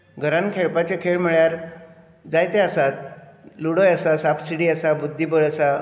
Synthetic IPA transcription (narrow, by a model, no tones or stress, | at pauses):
ɡʱəɾãnkʰeɭpat͡ɕekʰeɭm̤əɭjaɾ | d͡zajt̪easat̪̚luɽojəsasafsiɽiːasabud̪ʱːibəɭəsa